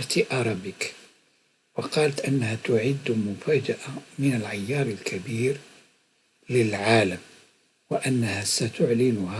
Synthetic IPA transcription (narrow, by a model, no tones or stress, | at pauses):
ɾˤt̪iʔɑɾˤɑbɪk | wɑqɑːlt̪ʔɪnːahat̪ʊʕɪd̪ːmʊfaːd͡ʒaʔamɪnalʕajːɑːɾˤɪlkʰabiːɾ | lɪlʕaːlam | wɪʔanːahasat̪ʊʕlɪnʊha